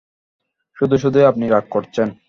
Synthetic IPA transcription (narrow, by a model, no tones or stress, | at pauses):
ʃud̪ʱuʃ̬ud̪ʱuapniɾak̚koɾt͡ɕʰen